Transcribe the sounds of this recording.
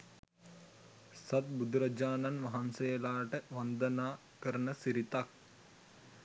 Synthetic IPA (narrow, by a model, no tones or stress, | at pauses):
sɐt̪̚bud̪ɾɐd͡ʒaːnɐnʋɐɦansɐjɐlaːʈəʋɐnd̪ɐnaː | kəɾənəsiɾit̪ak̚